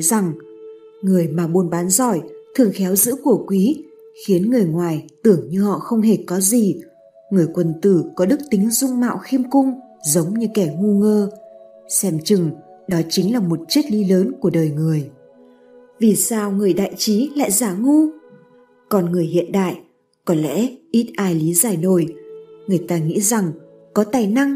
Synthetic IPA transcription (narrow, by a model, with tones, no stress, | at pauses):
jza˨˩ŋ | ŋɨ˨˩əjmaː˨˩ɓu˨˧˩nɓaː˨˦nzɔ˧˩jt̪ʰɨ˨˩əŋxɛ˨˦wzɨ̰˧˥ku˧˩əkwi˨˦xi˨˦ənŋɨ˨˩əjŋwaː˨˩jt̪ɨ˧˩əŋɲɨ˧hɔ̰˧˨xə˧wŋ͡mɦe˧˩kɔ˨˦zi˨˩ | ŋɨ˨˩əjkwə˨˩nt̪ɨ˧˩kɔ˨˦ɗɨ˦˥k̚t̪ï˨˦ŋ̟zʊ˧ŋ͡mma̰ː˧˨wxi˧əmkʊ˧ŋ͡m | zə˨˦wŋ͡mɲɨ˧kɛ˧˩ŋu˧ŋəː˧ | sɛ˧mt͡ɕɨ˨˧˩ŋɗɔ˨˦t͡ɕï˨˦ŋ̟laː˨˩mo˨˩t̚t͡ɕi˦˥t̚li˨˦ləː˨˦nku˧˩əɗəː˨˩jŋɨ˨˩əj | vi˨˩saː˧wŋɨ˨˩əjɗa̰ː˧˨jt͡ɕi˨˦la̰ː˧˨jzaː˧˩ŋu˧ | kɔ˨˩nŋɨ˨˩əjhḭ˧˨ənɗa̰ː˧˨jʔ | kɔ˨˦lɛ̰˧˥ʔi˦˥t̚ʔaː˧˩jli˨˦zaː˧˩jno˧˩jŋɨ˨˩əjt̪aː˧ŋḭ˧˥za˨˩ŋ | kɔ˨˦t̪aː˨˩jna˧ŋ